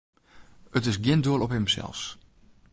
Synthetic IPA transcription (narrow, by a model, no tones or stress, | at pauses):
ətɪsɡjɪnduəlˠɔpɦəmsɛ̰lˠs